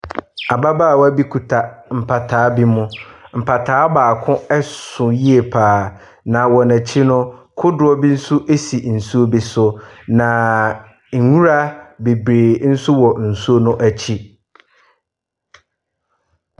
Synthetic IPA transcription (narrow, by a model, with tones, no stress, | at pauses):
a˨ba˦baː˦˨wa˦bi˦kʰu˨tʰa˨m̩˨pʰa˨tʰaː˨˦bi˦mʊ̃˦m̩˨pʰa˨tʰaː˨˦baː˨kʰʊ̃˦ɛ˦sʊ̃˨ji˦e˨pʰaː˨ | nã˨wɔ˨næ˨t͡ɕʰi˦nʊ̃˦kʰʊ˦dʊ˨ɔ˦bi˦n̩˦sʊ˦ʔe˦si˨n̩˨su˦o˦bi˨sʊ˦nã˨ | ŋ˨ŋũ˦ɾa˦be˨bɾeː˨n̩˦sʊ˦wɔ˨n̩˨su˦o˦nʊ̃˦ʔæ˨t͡ɕʰi˦